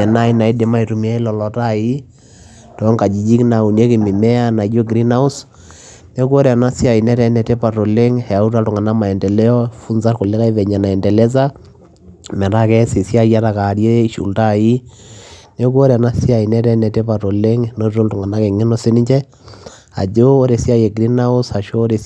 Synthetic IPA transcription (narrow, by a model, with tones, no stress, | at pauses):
ɛ˨na˦i˦na˨i˦de˨ma˦i˨ɾu˨mi˦a˦lɔ˨lɔ˨ta˦˨ji˦ | tɔ˨˦ŋka˨d͡ʒi˨d͡ʒi˦kna˨u˨nje˦ki˨mi˨mɛ˦a˦na˨˦d͡ʒo˦ɡɾi˦na˦ʊ˦s | ne˦ko˦ɾna˦si˦a˨i˨nɛ˦ɾɛ˦nɛ˨tɛ˦pa˨to˨le˦ŋhɛ˨a˨u˦ta˦ltʊ˨ŋa˨na˦ma˨ɛ˨ndɛ˨lɛ˦ɔ˦fu˦nsa˦ɾko˨le˦ka˦i˦ʋɛ˨ɲa˨na˨ɛ˨ndɛ˨lɛ˦s̬a˦ | mɛ˨ɾa˦kɛ˦sɪ˨sja˦ja˦ɾa˨ka˨ɾje˦i˨ʃṵ˨lta˦˨ji˦ | nɛ˦k̬o˦ɾɛ˨a˨na˦si˦a˨i˨nɛ˦ɾɛ˦nɛ˨tɛ˦pa˨tɔ˨le˦ŋno˦ɾto˦ltʊ˨ŋa˨na˦kɛ˨ŋɪ˦nɔ˦se˦ni˦ɲt͡ʃɛ˦ | a̰˨d͡ʒoː˦ɾe˨si˦a˦jɛ˨ɡɾi˦na˦ʊ˦sa˨ʃo˦ɾe˨